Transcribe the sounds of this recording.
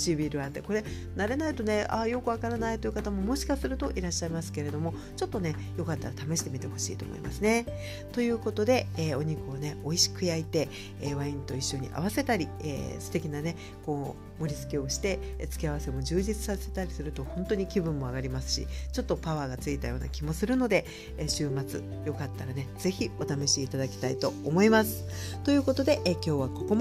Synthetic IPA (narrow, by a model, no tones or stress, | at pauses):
t͡ɕibʲiɾɯ̟ãnt̪e̞̰ko̞ɾe̞ | naɾe̞nait̪o̞ne̞a̰jo̞kɯ̟βakaɾanait̪o̞jiɯ̟kat̪amo̞moɕi̥kasɨɾɯ̟t̪o̞ʔiɾaɕːaimasɨ̥ke̞ɾe̞d̪o̞mo̞ | t͡ɕo̞t̪ːo̞ne̞ | jo̞kat̪ːaɾat̪ame̞ɕi̥t̪e̞mʲit̪e̞ho̞ɕḭːt̪o̞̰mo̞̰ḭmʔa̰sɨne̞ | t̪o̞jɯ̟ːko̞t̪o̞d̪e̞ːo̞ɲ̟ikɯ̟oneo̞iɕi̥kɯ̟jait̪e̞ | eːβaĩnt̪o̞iɕːo̞ɲ̟ḭʔa̰β̞ase̞t̪aɾʲiḛːsɨ̥t̪e̞kʲinane̞ | ko̞ː | mo̞ɾʲit͡sɨ̥kʲe̞o̞ɕi̥t̪e̞t͡sɨ̥kʲiaβase̞mo̞d͡ʑɨːʑit͡sɨ̥sase̞̥t̪aɾʲisɨɾɯ̟t̪o̞hõ̞nt̪o̞ɲ̟ikʲibɯ̟̃mːo̞aɡaɾʲimasɨ̥ɕḭt͡ɕo̞t̪ːo̞paβaːɡat͡sɨit̪ajoːna̰kʲimo̞sɨɾɯ̟no̞d̪e̞ | ɕɨːmat͡sɨ̰ | jo̞kat̪ːaɾane̞d͡z̥e̞çʲio̞t̪ano̞ɕiːt̪ad̪akʲi̥t̪ait̪o̞ːmo̞imasɨ̥ | t̪o̞jɯ̟ːko̞t̪o̞d̪e̞ʔkʲo̞ːβ̞ako̞kom